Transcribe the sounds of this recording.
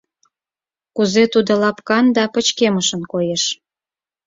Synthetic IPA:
kuzet̪ud̪olɑpkɑnd̪ɑpə̆t͡ɕkeməʃənkojeʃ

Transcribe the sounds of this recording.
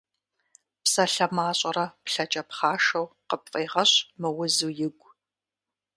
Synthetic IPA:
psɐɬɐmaːɕʼɐɾɐpɬɐt͡ʃʼɐpχɑːʃɐwqəpfʼeːʁɐɕmɨwʊzuːjɪɡʷʼ

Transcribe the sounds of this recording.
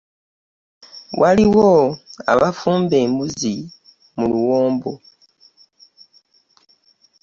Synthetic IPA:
wʔaliwoa̰βafuːmbe̞ːmbuzi | muluwo̞ːmbo

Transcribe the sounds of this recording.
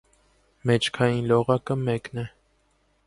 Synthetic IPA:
mɛt͡ʃʰkʰɑjinlɔʁɑkəmɛknɛ

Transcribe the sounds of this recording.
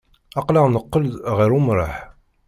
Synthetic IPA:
ɑqlaʁnəqːəld̪ʁiɾumɾˤɑ̰ħ

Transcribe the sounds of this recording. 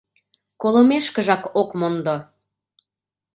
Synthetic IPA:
kolomeʃkə̆ʒɑkokmond̪o

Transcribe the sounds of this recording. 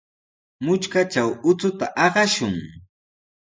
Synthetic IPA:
mʊt͡ʃkat͡ʃawʊt͡sʊt̪aʔɑɢɑʃʊŋ

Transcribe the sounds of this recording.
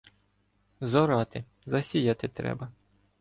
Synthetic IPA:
zɔɾɑt̪ɪ | zɐsʲijat̪ɪt̪ɾɛ̰bɐ

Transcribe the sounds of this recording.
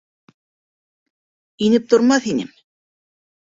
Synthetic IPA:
inɘp̚t̪ʰŏɾmɑθinɘm

